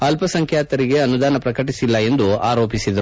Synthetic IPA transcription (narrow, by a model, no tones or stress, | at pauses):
ɐlpɐsɐŋkʰjaːt̪ɐɾiɡe̞ɐnud̪aːnɐpɾɐkɐʈisilːɐe̞nd̪ua̰ːɾo̞ːpisid̪ɐɾu